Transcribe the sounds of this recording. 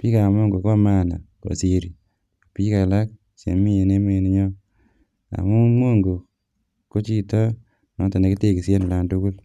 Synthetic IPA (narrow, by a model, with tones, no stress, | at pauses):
pi˦ka˨mo˦ŋɡo˨ko˦ma˦˨na˨ko̰˨si˨ɾi˨ | pi˦ka˨la˦k̚ | sḛ˨mi˦e˨ne˦me˦˨ni˦ɲɔ˦ | a̰˨mu˦mo˦ŋɡo˨ | ko˦t͡ʃi˦tɔ˦ | nɔ˨˦ta˨ne˨ki˦te˦˨ki˨sje˦n˨la˨ntu˦ku˦l